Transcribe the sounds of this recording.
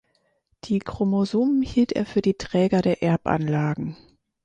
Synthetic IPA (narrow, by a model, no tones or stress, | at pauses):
d̥iːkʁ̥omozoːm̩hiːltḛːɐfyːɐdiːtʁ̥ɛːɡɐɾeːɐʔɛɐpʔa̰nlaːɡŋ̩